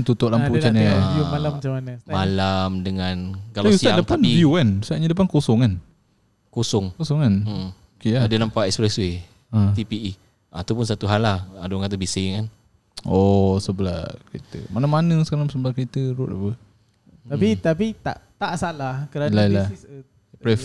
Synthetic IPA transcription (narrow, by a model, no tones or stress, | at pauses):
nt̪ut̪ɔʔlamput͡ʃanaalamt͡ʃamanəmalamdəŋankalusiaadapanviuansaʔɲədəp̬ankosɔŋkan | kosɔŋkosɔŋkan | okeaadənampaʔɛkspɾɛswe | at̪ipii | at̪upʊnsat̪uɦalahadoŋkat̪abisɪkan | ɔsəblakəɾit̪ə̰manamanəsəkaɾaŋsəbəlakəɾit̪əɾʊʔa̰pə | t̪apit̪apit̪a̰ʔt̪aʔsalahkəɾalaila | pɾɛf